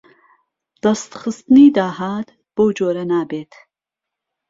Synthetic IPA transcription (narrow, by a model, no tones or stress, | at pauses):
d̪̥ɐst̪χɨst̪ɨniːd̪aːɦaːt̪ | b̥oːwd͡ʒoːɾɐnaːbeːt̪ʰ